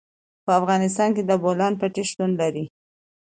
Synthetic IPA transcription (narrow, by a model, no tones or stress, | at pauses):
pəafɣɑnɪs̬t̪ɑnked̪əbolɑnpaʈeʃt̪unlaɾi